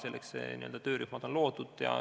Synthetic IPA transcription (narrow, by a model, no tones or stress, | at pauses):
se̞lːʔeksḛnḭø̰ld̪ɑt̪ø̞ːɾyhmɑd̪̥onlo̞ːd̪̥ud̪̥jɑ̰